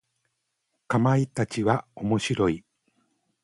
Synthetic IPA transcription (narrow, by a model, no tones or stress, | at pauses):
kamait̪at͡ɕiβaomo̞ɕiɾo̞i